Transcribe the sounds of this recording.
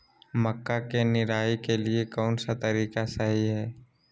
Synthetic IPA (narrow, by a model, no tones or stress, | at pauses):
məkːakenɪɾaːikeliekɔːnsat̪ɐɾiːkasəɦiɦɛː